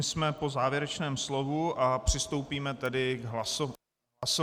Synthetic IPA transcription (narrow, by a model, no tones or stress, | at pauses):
ɪsmɛpo̞zaːvjɛɾɛt͡ʃnɛːmslo̞vuʔapr̝̥ɪst̪o̞wpiːmɛt̪ɛdɪɡɦlaso | aso